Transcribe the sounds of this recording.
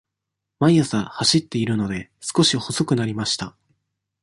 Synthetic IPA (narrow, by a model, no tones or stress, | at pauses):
majasãhaɕit̪ːe̞iɾɯ̟no̞d̪e̞sɨ̥ko̞ɕiho̞so̞kɯ̟naɾʲimaɕi̥t̪a